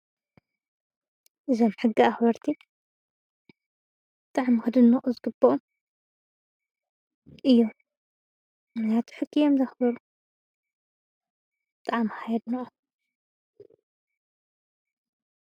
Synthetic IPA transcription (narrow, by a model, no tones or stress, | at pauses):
ʔɨzomħɨɡːiaxbɐɾt̪ʰi | bɨt̪ʼaʕmxɨd̪ɨnːɐʔʼuzɨɡɨbːɐʔu | ʔɨjːom | ɨnat̪ʰu̥ħɨɡːijomzɐxbɐɾu | bɨt̪ʼaʕmhajd̪nɐʔʼu